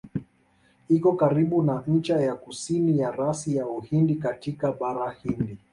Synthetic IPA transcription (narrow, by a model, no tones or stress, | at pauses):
ikɔkaɾiɓunan̩t͡ʃajakusinijaɾasijauhindikatikaɓaɾahindi